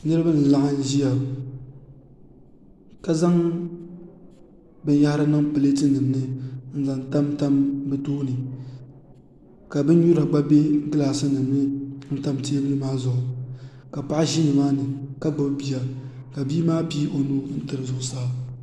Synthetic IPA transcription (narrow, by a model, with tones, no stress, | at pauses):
nɨ˦ɾɨ˦ba˦n̩˨la˦ŋa˦n˦ʒi˦ja˨ | ka˦za˦ŋ | bɨ˦n˦ja˦ha˦ɾa˦nɨ˦ŋpɨ˨le˦tɨ˦nɨ˨mnɨ˦n̩˦za˨n˨ta˦mta˦mbɨ˦toː˦nɨ˨ | ka˨bɨ˦n˦ɲu˦ɾa˨ɡ͡ba˦be˦ɡɨ˦la˨sɨ˦nɨ˨mnɨ˦n̩˦ta˦mteː˦bɨ˦nɨ˦maː˦zʊ˨ʔʊ˨ | ka˨pa˦ʔʒi˦nɨ˨maː˦nɨ˨ka˦ɡ͡ba˦bbi˨ja˨ | ka˨bi˦maː˦pi˦ʔo˨nu˦n̩˦tɨ˨ɾɨ˨zʊ˨ʔʊ˨sa˦